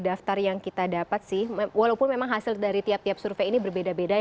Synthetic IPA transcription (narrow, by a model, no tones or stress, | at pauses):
daft̪arjaŋkit̪adapat̪̚sɪhwalaupʊnmemaŋɦasɪldaɾit̪iap̚t̪iapsurfeinibərbedabeda